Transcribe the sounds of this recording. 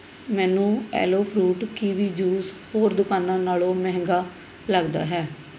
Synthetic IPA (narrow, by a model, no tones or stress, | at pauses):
mɛːnũːɛ̰ːloːpʰɾuːʈkiːʋiːd͡ʒuːzhoːɾd̪ʊkaːnãːnaːlõːmɛɦŋɡaː | ləɡd̪a̰ːɦɛː